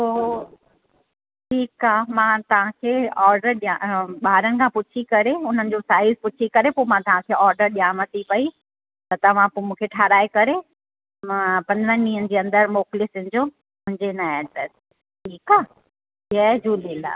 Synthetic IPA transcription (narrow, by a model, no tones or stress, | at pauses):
oː | ʈʰiːkaːmãt̪ɐʋ̤ãkʰeːɔːɾɖəɾɗijaɓaːɾənɪ̆kʰãːpʊt͡ɕʰikɐɾeʊn̤ənɪ̆d͡ʑosaːɪzpʊt͡ɕʰikɐɾepoːmãt̪ɐʋãkʰeɔːɾɖəɾɗijaːmɐt̪ipɐi | t̪ɐt̪ɐʋ̤ãpomũːkʰeʈʰaːɾaːekɐɾe | mãpɐ̃nd̪ɾə̃nĩːənɪ̆d͡ʑeːɐ̃nd̪əɾmoːklɪsɪ̃d͡ʑo | mʊ̃ɦɪ̃ɲd͡ʑenaɖɾeːs | ʈʰiːkaː | ɦiəd͡ʑuːlila̰ː